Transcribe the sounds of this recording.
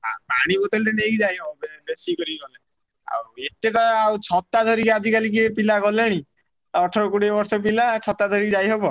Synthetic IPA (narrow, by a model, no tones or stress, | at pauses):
ɦã̰ba̰ɽ̃ibɔt̪ɔlʈenekid͡ʒajɦebɔbebesikɔɾiɡɔle | a̰wet̪ek̪ɔawt͡ʃʰɔt̪ad̪ʱɔɾikad͡ʒʱikalik̬epilakɔleɽ̃i | ɔʈʰɔɾɔkuɽibɔɾsɔpilat͡ʃʰɔt̪ad̪ʱɔɾikd͡ʒajɦebɔ